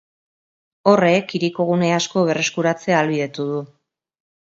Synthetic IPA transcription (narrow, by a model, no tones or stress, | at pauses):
o̞re̞kiɾiko̞ɣ̞une̞asko̞β̞e̞re̞skuɾat͡se̞aːlβiðe̞t̪uðu